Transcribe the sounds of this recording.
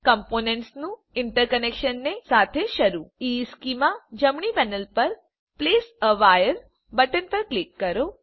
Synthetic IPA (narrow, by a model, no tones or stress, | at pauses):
kəmponeɳʈsnũ | ɪɳʈəɾkənekʃənːesat̪ʰeʃəɾuiskimad͡ʒəmɳipɛnəlpəɾ | plesəʋajəɾ | bəʈənpəɾklikːəɾo